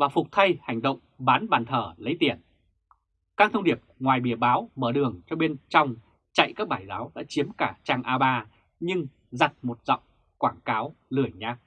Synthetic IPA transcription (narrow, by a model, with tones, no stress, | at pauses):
vaː˨˩fʊ˨˩k͡p̚t̪ʰa˧jha˨˩jŋ̟ɗə̰˧˨wŋ͡mɓaː˨˦nɓaː˨˩nt̪ʰəː˧˩lə˨˦jt̪i˧˩ən | kaː˧ŋt̪ʰə˧wŋ͡mɗi˧˩əp̚ŋwaː˨˩jɓi˧˩əɓaː˨˦wməː˧˩ɗɨ˨˩əŋt͡ɕɔ˧ɓe˧nt͡ɕɔ˧wŋ͡m | t͡ɕa̰˧˨jkaː˦˥k̚ɓaː˧˩jzaː˨˦wɗa̰ː˧˥t͡ɕi˨˦əmkaː˧˩t͡ɕaː˧ŋʔaː˧ɓaː˧ | ɲɨ˧ŋ | za˨˩t̚mo˨˩t̚zɔ̰˧˨wŋ͡m | kwaː˧˩ŋkaː˨˦wlɨ˧˩əjɲaː˧˥k̚